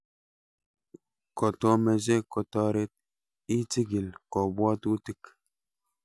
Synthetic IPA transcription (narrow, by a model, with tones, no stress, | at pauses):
kɔ˨tɔ˦me˨ze˦kɔ˨tɔ˦ɾe˦t̚ | i˦ti˦ɡi˨lkɔ˨bwɔ˦tu˦ti˦k